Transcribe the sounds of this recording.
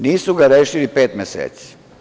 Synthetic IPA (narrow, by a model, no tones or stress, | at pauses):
niːsuɡaɾeːʃilipeːt̪mesḛːt̪si̥